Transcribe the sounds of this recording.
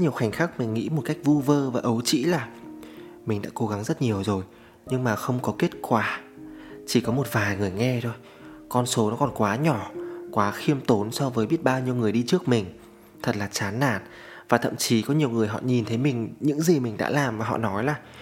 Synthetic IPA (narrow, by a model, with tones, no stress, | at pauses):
ɲi˨˩əwxa˨˩jŋ̟xaː˦˥k̚mï˨˩ŋ̟ːḭ˧˥mo˨˩t̚ka˦˥jk̟̚vu˧vəː˧vaː˨˩ʔə˨˦wt͡ɕḭ˧˥laː˨˩ | mï˨˩ŋ̟ɗa̰ː˧˥ko˨˦ɣa˨˦ŋzə˦˥t̚ɲi˨˩əwzo˨˩j | ɲɨ˧ŋmaː˨˩xə˧wŋ͡mkɔ˨˦ke˦˥t̚kwaː˧˩ | t͡ɕi˧˩kɔ˨˦mo˨˩t̚vaː˨˩jŋɨ˨˩əjŋɛ˧t̪ʰo˧j | kɔ˧nso˨˦nɔ˨˦kɔ˨˩nkwaː˨˦ɲɔ˧˩kwaː˨˦xi˧əmt̪o˨˦nsɔ˧vəː˨˦jɓi˦˥ət̚ɓaː˧wɲi˧əwŋɨ˨˩əjɗi˧t͡ɕɨ˦˥ək̚mï˨˩ŋ̟ | t̪ʰə˨˩t̚laː˨˩t͡ɕaː˨˦nːa̰ː˧˩n | vaː˨˩t̪ʰə̰˧˨mt͡ɕi˨˦kɔ˨˦ɲi˨˩əwŋɨ˨˩əjɦɔ̰˧˨ɲi˨˩nt̪ʰə˨˦jmï˨˩ŋ̟ɲɨ̰˧˥ŋzi˨˩mï˨˩ŋ̟ɗa̰ː˧˥laː˨˩mvaː˨˩ɦɔ̰˧˨nɔ˨˦jlaː˨˩